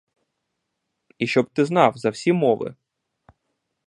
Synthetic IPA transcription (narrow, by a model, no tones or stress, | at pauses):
iʃt͡ʃɔbt̪ɪznɑwzɐwsʲimɔʋɪ̰